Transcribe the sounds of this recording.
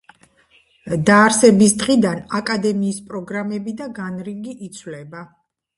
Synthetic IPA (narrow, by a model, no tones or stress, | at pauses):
d̪aːɾsɛbisd̪ʁid̪anakʼad̪ɛmiːspʼɾɔɡɾamɛbid̪aɡanɾiɡiʔːt̪sʰwlɛba